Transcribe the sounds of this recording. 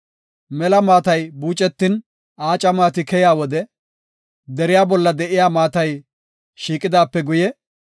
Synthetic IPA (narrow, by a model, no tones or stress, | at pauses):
mɛlɐmaːt̪ɐjbuːt͡ʃʼːɛt̪ːɪn | aːt͡ʃʼɐmaːt̪ɪkɛjaːwɔd̪ɛ | d̪ɛɾɪjaːbɔlːɐd̪ɛʔɪjaːmaːt̪ɐj | ʃiːkʼːɪd̪aːpːɛɡʊjɛ